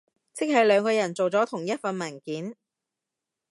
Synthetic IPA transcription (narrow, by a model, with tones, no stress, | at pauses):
t͡sɪ˥k̚hɐ˨jlœː˨˧ŋkɔː˧jɐ˨˩nt͡so˨wt͡sɔː˨˥t̪ʰʊ˨˩ŋjɐ˥t̚fɐ˨nmɐː˨˩nkiː˨˥n